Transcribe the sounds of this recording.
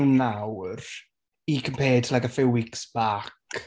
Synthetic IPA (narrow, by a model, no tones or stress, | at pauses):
wnːawr | ikʰəmpʰeːdtʰlaɡəfɪwɪksb̥aːk